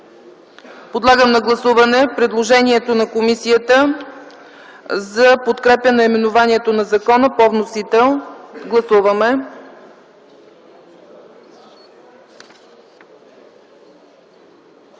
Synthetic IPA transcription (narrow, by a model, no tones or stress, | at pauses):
pod̪lˠaɡəmnɐɡlˠɐsuvɐnɛpɾɛd̪lˠoʒɛniɛt̪onɐkomisiət̪ə | zɐpot̪kɾɛpʲjənɐimɛnʊvaniɛt̪onɐzɐkɔnəpɔvnosit̪ɛlˠɡlˠɐsuvəmɛ